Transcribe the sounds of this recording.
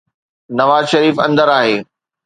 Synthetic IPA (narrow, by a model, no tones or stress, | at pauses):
nɐʋaːzʃɐɾiːfɐ̰̃nd̪əɾaːɦeː